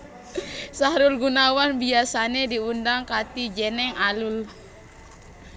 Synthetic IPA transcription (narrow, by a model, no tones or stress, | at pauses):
saɾʊlɡunawanbiasanediundaŋkat̪id͡ʒɛnɛŋalul